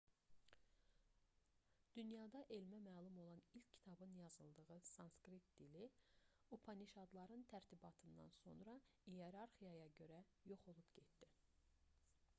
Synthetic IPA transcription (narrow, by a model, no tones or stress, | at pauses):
d̪̥ynjɑd̪ɑʔe̞lmæmæːlˠumo̞lˠɑnilcʰcʰːi̥t̪ʰɑbɯnjɑzɯlˠd̪ɯʁɯsɑnskɾit̪̚d̪̥ili | upʰɑniʃɑd̪lˠɑɾɯnt̪ʰæɾt̪ʰibɑt̪ʰɯnd̪ɑ̰nso̞̰nɾɑ | ijeɾɑɾχijɑjɑɟø̞ɾæ | jo̞χo̞lˠupɟet̪d̪̥i